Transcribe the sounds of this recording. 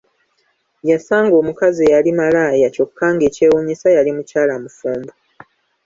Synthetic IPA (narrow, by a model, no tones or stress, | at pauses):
jasaːŋɡo̞ːmukazejalimalaːjaco̞kʰːaːŋɡe̞ːce̞ːwoɲisajalimucaːlamufuːmbu